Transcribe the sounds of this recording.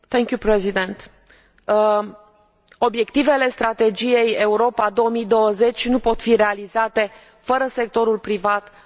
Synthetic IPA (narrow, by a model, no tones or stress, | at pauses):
θɛŋkjupɾezid̪ent̪ | o̞bje̞kt̪ive̞le̞st̪ɾat̪e̞d͡ʒije̞je̞uɾo̞pad̪o̞omid̪o̞wəze̞t͡ʃʲnupo̞t̪fiɾe̞alizat̪e̞ | fəɾəse̞k̚t̪o̞ɾulpɾivat̪